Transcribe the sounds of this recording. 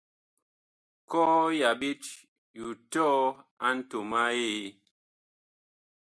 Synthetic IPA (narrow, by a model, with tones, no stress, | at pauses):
kɔ˦ja˨bi˦t͡ʃ | ju˨tɔ˦a˦n̩˦to˨ma˦je˦˨